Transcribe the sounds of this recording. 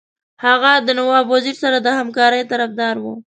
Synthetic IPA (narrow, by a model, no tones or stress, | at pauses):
haɣad̪ənawɑbwaziɾsaɾad̪əhamkɑɾəjt̪aɾafd̪ɑɾwu